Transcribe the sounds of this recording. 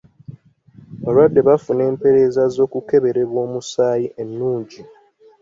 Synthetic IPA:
βalwadːe̞βafune̞ːmpe̞ɾe̞ːzazo̞ːkuke̞βe̞ɾe̞βwo̞ːmusaːjiʔe̞nːuːɲɟi

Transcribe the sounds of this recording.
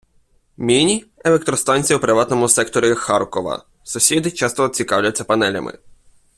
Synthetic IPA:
mʲinʲielˠek̚t̪ɾɔst̪ɑnʲt͡sʲijɐupɾɪʋɑt̪nɔmʊsɛkt̪ɔɾʲixɑrkɔʋɐ̰ | sʊsʲid̪ɪt͡ʃɑst̪ɔːt͡sʲikɑwlʲɐtt͡sʲːɐpɐnɛlʲɐ̰mʔɪ̰

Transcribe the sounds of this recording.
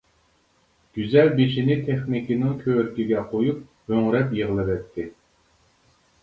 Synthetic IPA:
ɡ̥ʲyzɛlbeʃinɪt̪ʰeχnɪkʲinɪŋkʲʰøwɾkʲiɡʲɛqʰojup̚ | høŋɾɛpjeʁlˠɨvɛt̪ʰːɪ

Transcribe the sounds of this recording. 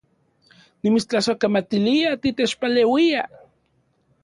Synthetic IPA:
nimit͡ʃt͡ɬasokamat̪iliat̪it̪et͡ʃpalewia̰

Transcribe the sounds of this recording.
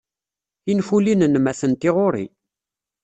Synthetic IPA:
infulinənmæθənt̪ɪʁoɾḭ

